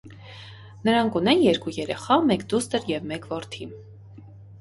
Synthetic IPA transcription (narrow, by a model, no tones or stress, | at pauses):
nəɾɑŋkunɛnjɛɾkujɛɾɛχɑmɛkd̪ust̪əɾjɛvmɛkvɔɾt̪ʰim